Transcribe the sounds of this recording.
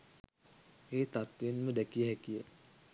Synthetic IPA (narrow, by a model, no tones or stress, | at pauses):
eːt̪at̪ʋenməd̪ɛkijəɦɛkijə